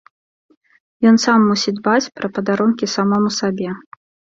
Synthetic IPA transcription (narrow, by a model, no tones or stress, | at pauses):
jɔnsamːusʲid̪bat͡sʲpɾɐpɐd̪aɾɔnkʲisamɔmusabʲɛ